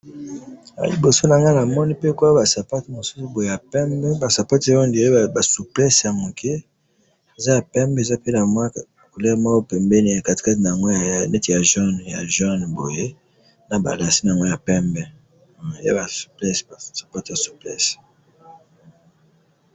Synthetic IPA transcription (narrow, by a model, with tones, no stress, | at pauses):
a̰˨li˨bo˨so˦na˨ŋɡa˦na˨mɔ˦ni˦pe˦ko˦a˦ba˨sa˨pa˦ti˨mo˨su̥˦su˦bo˨je˨ja˨pɛ˦mbɛ˦ba˨sa˨pa˦tɔ˦ndba˨su˨plɛ˦sja˨mo˨ke˦ | e˨za˦ja˨pɛ˦mbe˨za˦pe˦na˨mw | ku˨lɛ˦˨mɔ˦kɔ˦pɛ˨mbɛ˦ni˨ja˨ka˨ti̥˨ka˦tna˨ŋɡɔ˦ja˨nɛ˦ti˨ja˨ʒɔ˦n˨ja̰˨ʒɔ˦n˨bo˨je˦ | na˨ba̰˨la˨si˦na˨ŋɡɔ˦ja˨pɛ˦mbɛ˦˨ | ja̰˦ba˨su̥˨plɛ˦ssḁ˨pa˦tja˨su̥˨plɛ̰˦s